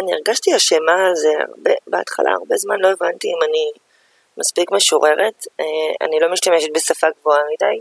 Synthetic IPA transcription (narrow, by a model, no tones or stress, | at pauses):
anieʁɡaʃtiaʃemaːzea̰ʁbebea̰tχa̰lʔa̰a̰ʁbezmanlo̞e̞vant̪iːmani | maspikme̞ʃoʁe̞ʁe̞tea̰nilo̞miʃt̪ameʃet̪̚be̞safaɡvoamidaj